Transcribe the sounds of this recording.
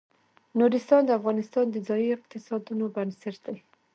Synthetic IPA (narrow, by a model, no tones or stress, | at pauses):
nuɾɪst̪ɑnd̪əafɣɑnɪst̪ɑnd̪əzɑjiɪq̚t̪ɪsɑd̪unobansɪɾd̪aj